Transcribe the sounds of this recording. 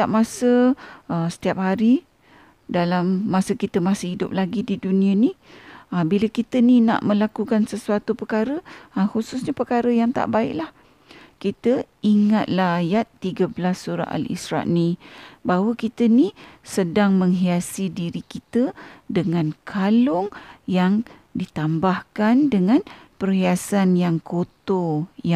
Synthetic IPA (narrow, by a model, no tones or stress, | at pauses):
ap̚masəəsə̥t̪iap̚ɦaɾi | dalamːasəkit̪əmasəɦidʊ̰p̚laɡididunĩaniəbilakit̪ənina̰ʔmə̃lakukansəsuat̪upəkaɾəəhususɲapərkaɾəjaŋt̪a̰ʔbaɪʔlah | kit̪əiŋat̪̚lahajat̪ːiɡəbəlasːuɾa̰ʔa̰lḭsɾa̰ʔnĩbawəkit̪ənĩsədaŋmə̃ŋɦiasidiɾikit̪ədəŋãnkʰalʊŋjaŋ | dit̪ambahkandəŋãnpəriasanjaŋkʰot̪oja